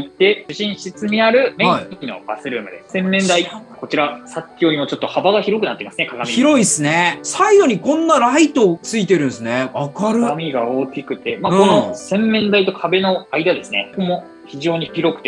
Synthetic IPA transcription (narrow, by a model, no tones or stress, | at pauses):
it̪ːe̞ɕɨɕĩɰ̃ɕit͡sɨmʲiaɾɯ̟meaikʲino̞̰b̥asɨɾɯ̟ːmɯ̟d̪e̞sẽ̞mːẽ̞nd̪aiko̞t͡ɕiɾasakʲːoːɾʲimo̞t͡ɕo̞t̪ːo̞habaɡaçiɾo̞kɯ̟nat̪ːeimasɨnekaɡamʲiçiɾo̞isɨne̞saiɡo̞ɲ̟ikõ̞nːaɾait̪o̞t͡sɨit̪e̞ɾɯ̟̃nsɨne̞βakaɾɯ̟mʲiɡaoːkʲikɯ̟t̪e̞maɯkõnosẽ̞mːẽ̞nd̪ait̪o̞kʰabe̞no̞aid̪ad̪e̞sɨne̞komo̞ | çiʑo̞ːɲ̟içiɾo̞kɯ̟̥e